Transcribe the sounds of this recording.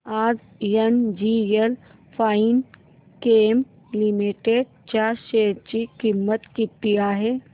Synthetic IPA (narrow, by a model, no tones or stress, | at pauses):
aːd͡ʒ | jɐnd͡ʒijel | pʰaːin | keːm | limiʈeːɖ̚ | t͡ʃaːʃeːɾt͡ʃikimːət̪kit̪ːiaːɦeː